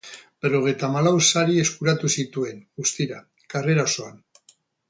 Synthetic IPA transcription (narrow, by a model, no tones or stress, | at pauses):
bero̞ɣ̞ejt̪amalawsaɾie̞skuɾat̪usit̪ue̞nɡust̪iɾa | kare̞ɾaoso̞an